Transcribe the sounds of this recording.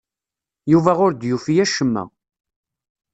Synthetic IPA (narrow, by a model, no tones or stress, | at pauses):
juvæʁʊɾd̪jufijæʃəmːæ̰